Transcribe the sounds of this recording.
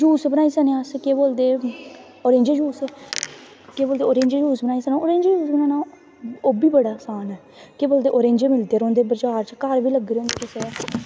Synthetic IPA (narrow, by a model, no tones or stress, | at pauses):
d͡ʒuːsbənaːiːsənẽaskeːboːld̪eː | oːɾẽːɲd͡ʒed͡ʒuːsɛː | keːboːld̪eːoːɾẽːɲd͡ʒed͡ʒuːsbənaːisənãoːɾẽːɲd͡ʒeːjuːsbənaːna | oːbiːbəɽaːsaːnɛː | keːboːld̪eːʔoːɾẽːɲd͡ʒeːmɪld̪eːɾõːnd̪eːbəɾd͡ʒaːɾt͡ʃkəɾbiːləɡɾeoːnd̪eːkeseːa